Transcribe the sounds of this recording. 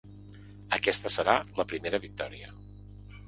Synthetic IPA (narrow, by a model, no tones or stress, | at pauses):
əkɛst̪əsəɾaləpɾimeɾəβik̚t̪ɔɾiə̰